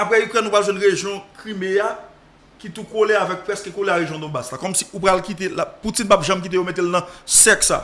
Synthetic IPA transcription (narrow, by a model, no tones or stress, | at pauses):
apɣɛykʁɛnũpɣalʒwɛ̃nɣeʒjɔ̃kʁimea | kit̪ukoleavɛk̚pɣɛskəkoleaɣeʒjɔ̃d̪ɔ̃baslakɔmsi̥ʔupɣalkit̪̬elaput͡sinpapʒɐ̃mkit̪̬ejomet̪̬elnɐ̃sɛksa̰